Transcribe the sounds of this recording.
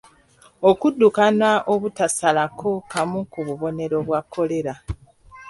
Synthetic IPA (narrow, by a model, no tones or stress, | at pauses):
okudːukanaʔoβutasalakʰo̞kamukuβuβo̞ne̞ɾo̞βwakʰːo̞le̞ɾa